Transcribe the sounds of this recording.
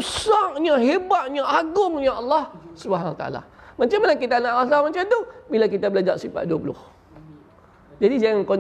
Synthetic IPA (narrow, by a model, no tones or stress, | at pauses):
usaʔɲaɦebaʔ̪̚ɲaʔaɡʊŋɲãɑlːɑhsubɦanawat̪a̰a̰la̰mãt͡ʃamːanakit̪anaʔlas̬amat͡ʃamt̪ubilak̬it̪abəlad͡ʒaʔsifa̰ʔ̚duapulʊ̰h | d͡ʒadid͡ʒaŋaŋko